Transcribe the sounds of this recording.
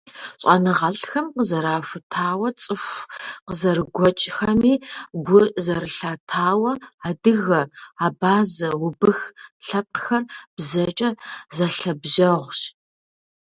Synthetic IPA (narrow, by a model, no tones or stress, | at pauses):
ɕʼɐnɨʁɐɬxɐmqəzɐɾaːʃʷʊtʰaːwɐt͡sʼɨxʷqəzɐrɨɡʷɔt͡ʃʼxɐmiːɡʷʊzɐrɨɬaːtʰaːwɐadɨɣɐaːbaːzɐwʊbɨxɬɐp̚ʼxɐrb̥zɐt͡ʃʼɐzɐɬɐbʒɐʁʷɕ